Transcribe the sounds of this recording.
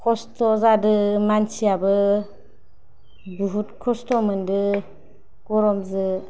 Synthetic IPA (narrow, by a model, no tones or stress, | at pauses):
kʰɔstɔzadɯmant͡ʃiabɯ | buɦutkʰɔstɔmɯndɯ | ɡ̥ɔɾɔmzɯ